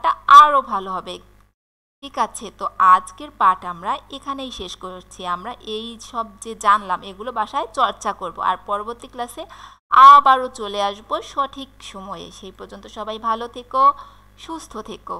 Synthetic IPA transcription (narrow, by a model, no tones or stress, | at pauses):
ʈaaɾobʱaloɦɔbe | ʈʰikat͡ɕʰet̪oad͡ʑkeɾpaʈamɾaekʰanejʃeʃkot͡ɕʰiamɾaʔejʃɔb̚d͡ʑed͡ʑanlameɡulobaʃaet͡ɕɔɾt͡ɕakoɾbo̰a̰ɾpɔɾoboɾt̪iklaʃe | abaɾot͡ɕoleaʃboʃɔʈʰikʃɔmɔḛʃejpɔɾd͡ʑont̪oʃɔbajbʱalot̪ʰeko | ʃust̪ʰot̪ʰeko